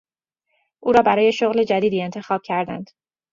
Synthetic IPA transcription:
ʔuːɾɒːbæɾɒːje̞ʃoɣle̞d͡ʒæd̪iːd̪iːe̞nt̪ʰe̞xɒːb̥̚cʰæɾd̪æ̰nd̪̥

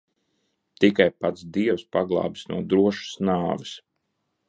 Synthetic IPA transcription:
t̪ikajpat̪sd̪iɛwspaɡlˠɑ̰ːbisnṵɔd̪ɾuɔʃu̥snaːvɪs

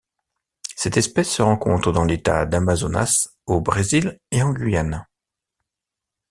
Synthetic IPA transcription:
sɛt̪ɛspɛsːəʁɑ̃kɔ̃t̪χəd̪ɑ̃let̪a̰d̪amazona̰s | obʁezileɑ̃ɡʲɥijan

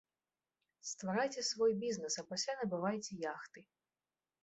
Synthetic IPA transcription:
st̪vaɾajt͡sʲɛsvɔjbʲiznɛsɐpasʲlʲanɐbɨvajt͡sʲɛjaxt̪ɨ

